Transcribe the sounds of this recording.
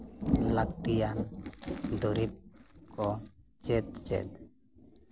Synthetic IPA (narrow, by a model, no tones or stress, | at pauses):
lak̚t̪ijan | d̪ɔɾip̚kɔ | t͡ʃɛt̪̚t͡ʃɛ̰t̪̚